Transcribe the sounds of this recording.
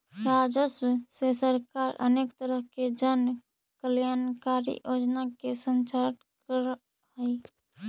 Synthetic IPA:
ɾad͡ʒəsmsesəɾkaɾə̰nekt̪əɾəɦked͡ʒən | kəljankaɾḭjod͡ʒnakesənt͡ʃaʈ | kəɾ | ɦəj

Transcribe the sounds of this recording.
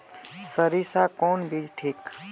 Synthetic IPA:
səɾisakoːnbʱid͡ʒʈʰiːk

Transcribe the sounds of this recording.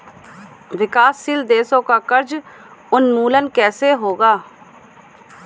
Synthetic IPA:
ʋɪkaːsːiːld̪eːsõːkaːkəɾd͡ʒ | ʊnmuːlənkɛːseːɦoːɡaː

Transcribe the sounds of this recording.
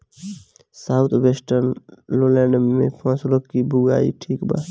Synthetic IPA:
saːʊt̪ʰweːsʈəɾnlolɛ̃ːɳɖmḛ̃pʰãːsuləkkibʱuɡa̰ːḭʈʰiːkba̰ː

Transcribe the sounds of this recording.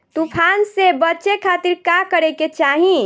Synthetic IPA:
t̪upʰansebətːt͡ʃekʰat̪iɾkakəɾeket͡ʃaɦĩ

